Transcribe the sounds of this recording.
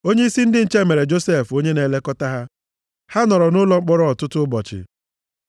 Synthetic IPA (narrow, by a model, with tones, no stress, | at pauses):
o˦ɲe˦i˦si˦n̩˦dɪ˦n̩˨t͡ʃe˦˨me˨ɾe˨d͡ʒo˦se˦˨fo˦ɲe˦ne˨le˦kɔ˦ta˦ɦa˦ | ha˦nɔ˨ɾɔ˨nʊ˦lɔ˦k͡pɔ˦ɾɔ˦ɔ˨tʊ˦tʊ˦bɔ̰˨t͡ʃɪ̰˨